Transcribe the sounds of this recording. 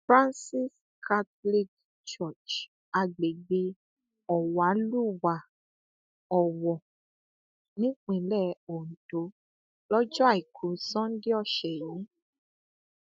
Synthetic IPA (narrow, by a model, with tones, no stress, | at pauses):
fɾã˦nsi˦s | kʰa˦tli˦k | t͡ʃɔ˦˨t͡ʃ | a˧ɡ͡be˨ɡ͡be˧ | ɔ˨wa˨˦lu˦˨wa˨ | ɔ˨wɔ˨ | nĩ˦k͡pĩ˨˦lɛ˦˨o˨n̩˨to˨˦ | lɔ˦d͡ʒɔ˦a˦˨i˨kʰu˨˦sɔ̃˦n̩˦di˦ɔ˦˨ʃɛ˨ji˨˦